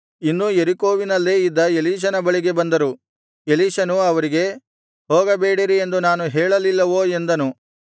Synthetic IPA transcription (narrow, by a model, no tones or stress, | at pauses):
inːujeɾiko̞ːʋinɐlːeːid̪ːɐeliːʃ̬ɐnɐbɐɭiɡe̞bɐnd̪ɐɾu | eliːʃɐnuɐʋɐɾiɡe̞ | ɦoːɡɐbeːɽiɾiend̪unaːnuɦeːɭɐlilːɐʋoːe̞nd̪ɐnu